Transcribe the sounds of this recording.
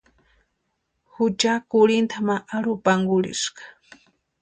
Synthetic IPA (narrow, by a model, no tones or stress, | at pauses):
hʊt͡ʃakʊɾɪnt̪amaʔaɾʊpaŋɡʊɾɪ̰ʃqɑ̥